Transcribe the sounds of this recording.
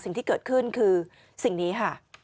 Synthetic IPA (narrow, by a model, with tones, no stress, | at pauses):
sï˨˧˦ŋt̪i˧kəː˨˩t̚kʰɨ˧nkʰɨː˧ | si˨˩˦ŋni˨˦ɦaː˧˩